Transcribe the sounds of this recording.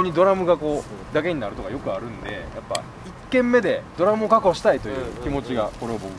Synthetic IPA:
ɲ̟id̪o̞ɾamɯ̟ɡako̞ːd̪ake̞ɲ̟inaɾɯ̟t̪o̞ka̰jo̞kɯ̟aɾɯ̟̃nd̪e̞̰japːa̰ | ikːẽ̞mːe̞d̪e̞d̪o̞ɾamɯ̟okakoɕi̥t̪ait̪o̞jɯ̟ːkʲimo̞t͡ɕiɡako̞ɾe̞βabokɯ

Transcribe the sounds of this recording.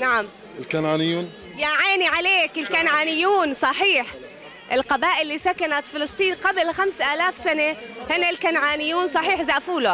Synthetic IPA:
naʕam | ɪlkanaːnɪjːuːn | jaʕaːniʕaleːkɪlkanʕaːnɪjːuːnsˤɑħiːħ | ʔɪlqɑbaːʔɪlːisakanat̪fɪlɨsˤt̪ˤiːnqablxamsʔaːlaːfsanehɪnːalkanʕaːnɪjːuːnsˤɑħiːħzaʔfuːla

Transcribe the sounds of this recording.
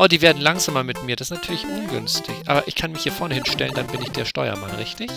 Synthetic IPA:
ʔoːdiːveːɐdn̩laŋzaːmɐmɪtmiːɐdasɪstnatʰyːɐlɪçʔʊnɡʏ̰nstʰɪçʔʔa̰ːbɐʔɪçkʰanmɪçhiːɐfɔɐnəhɪnʃtɛləndanbɪnɪçd̥eːɐʃtɔʏɐ̰ma̰nʁɪçtɪç

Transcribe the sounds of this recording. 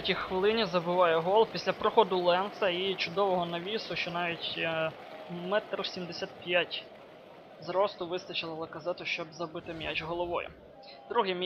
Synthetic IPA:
tʲixʋɪlˠɪnʲizɐbɪʋɑjɛɦɔlˠpʲisʲlʲɐpɾɔxɔd̪ʊlˠɛnt̪sɐit͡ʃʊd̪ɔʋɔɦɔnɐʋʲisʊʃt͡ʃɔnɑʋʲitʲ | mɛt̪rsʲimd̪esʲat̪̚pʲjatʲ | zɾɔst̪ʊʋɪst̪ɐt͡ʃɪlˠɐlˠɐkɐzɛt̪ʊʃt͡ʃɔbzɐbɪt̪ɪmʲja̰t͡ʃɦɔlˠɔʋɔ̰jʊ̰ | d̪̥ɾuɦɪm

